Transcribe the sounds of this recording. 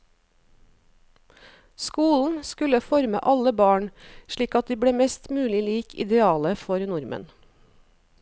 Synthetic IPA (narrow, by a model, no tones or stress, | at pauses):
skuːln̩skʉləfɔɾmə̰ʔɑləbɑːɳʃɭiːkɑt̪̚d̪iːbɽeːmɛst̪mʉːlɪliːkʰɪ̰d̪ɛɑːləfɔɾnʊɾmʔə̰n